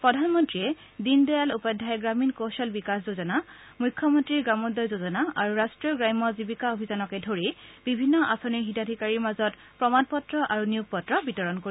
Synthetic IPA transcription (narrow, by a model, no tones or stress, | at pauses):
pɹɔdʱanmɔntɹiɛ | dindɔjalupɔdʱajɛɡɹaminkosɔlbikaszozɔna | mujkʰːjɔmɔntɹiɹɡɹamɔdɔjzozɔnaaɹuɹastɹɔɡɹajmɔzibikaobʱizanɔkɛdʱoɹibibʱinːɔʔa̰sɔniɹɦidadʱikaɹiɹmazɔt | pɹɔmanpɔtɹɔʔaɹunijuɡ̚pɔtɹɔbitɔɹɔnkoi